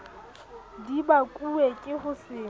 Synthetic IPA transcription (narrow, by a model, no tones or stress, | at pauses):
dibakʼuekʼɪhʊsɪː